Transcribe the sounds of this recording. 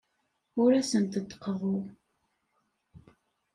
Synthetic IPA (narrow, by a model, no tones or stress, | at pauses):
ʊɾæsənt̪ət̪ːə̥qːəʁʊ